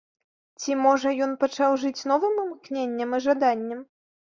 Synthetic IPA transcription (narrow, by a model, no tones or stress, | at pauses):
t͡sʲimɔʐɐjɔn̪pat͡ʂawʐɨt͡sʲnɔvɨmɨmknʲenʲːɐmɨʐad̪anʲːɐm